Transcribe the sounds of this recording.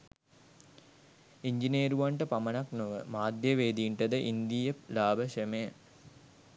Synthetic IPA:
iɲd͡ʒineːɾuʋaɳʈəpamənaknoʋəmaːd̪jəʋeːd̪iːɳʈəd̪əʔind̪ijəlaːbəʃemejə

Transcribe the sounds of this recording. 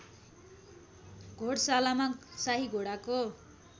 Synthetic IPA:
ɡʱoɽsalamasaɦiɡʱoɽako

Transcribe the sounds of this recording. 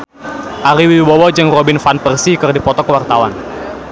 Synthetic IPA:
ʔaɾiwiwɔwɔd͡ʒɨŋrobɪnfanpərsikɨrdipɔt̪ɔkəwart̪awan

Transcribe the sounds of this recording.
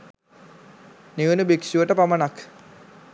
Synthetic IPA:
niʋinubikʂuʋəʈəpamɐnak

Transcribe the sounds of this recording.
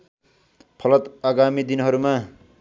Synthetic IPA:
pʰʌlʌt̪aɡamid̪inɦʌɾuma

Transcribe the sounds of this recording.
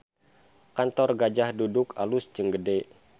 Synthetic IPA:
kant̪ɔrɡad͡ʒahdudʊkalust͡ʃəŋɡəde

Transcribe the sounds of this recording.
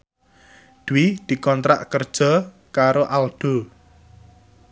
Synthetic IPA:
d̪̥uwɪd̪̥i̤kɔnt̪ɾa̰ʔkərd̥ʒ̥ɔ̤ | kaɾoʔalɖ̪̥o̤

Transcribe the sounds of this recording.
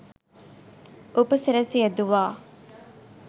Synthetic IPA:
ʔupɐsiɾɐsiɐd̪uʋaː

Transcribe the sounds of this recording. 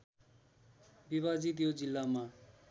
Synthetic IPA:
bibad͡zit̪̬jod͡zilːama

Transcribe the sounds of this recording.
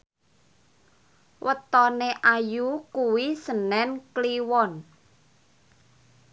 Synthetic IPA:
wʔət̪ɔneʔajukuwisənɛnkliwɔn

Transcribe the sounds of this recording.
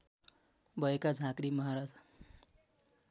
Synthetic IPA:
bʌekad͡zʱãkɾimʌɦaɾad͡z

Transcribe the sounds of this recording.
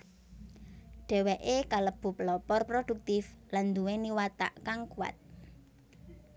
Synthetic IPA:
ɖ̥ɛ̤wɛʔekaləb̥ṳpəlɔpɔrpɾod̥ṳk̚t̪ɪfland̪uweniwat̪a̰ʔkaŋkua̰t̪̚

